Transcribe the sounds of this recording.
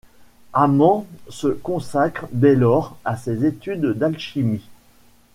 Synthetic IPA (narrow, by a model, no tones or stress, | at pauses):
amɑ̃səkɔ̃sakχd̪ɛlɔʁasezet̪yd̪ːalʃimi